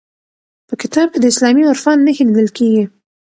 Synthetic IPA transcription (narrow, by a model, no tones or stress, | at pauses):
pəkɪt̪ɑb̚ked̪əɪslɑmiʊɾfanːəxinid̪əlkeɡi